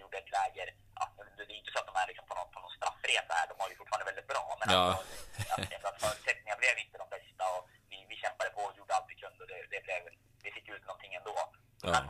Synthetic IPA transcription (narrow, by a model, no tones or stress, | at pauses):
juːɖəɛt̪ʰlɛːɡəɾ | ʔa̰t̪d̪d̪ɛjʏɪnt̪əsɔat̪̚d̪ɔmæɭɪksɔmpʰɔnɔt̪pʰɔnɔt̪st̪ɾa̰fːɾeːsahæ̰ːɖɔmhaɾjʏfʊ̥ʈːfɑːɾnvɛld̪ɪt̪bɾɑ̰ːmɛnasɔat̪ɛnat̪fœːɾʉt̪sɛk̪̚nɪŋablɛvjɪnt̪əd̪ɔmbɛst̪aɔ | vɪvɪɕɛmpad̪əpʰɔjuːɖəalt̪vɪkʰɵnd̪ɔd̪ɛd̪ɛblɛv | d̪ɛfɪkːʉ̟ːt̪nɔnt̪ʰɪŋːɛnd̪oː | ɔɛ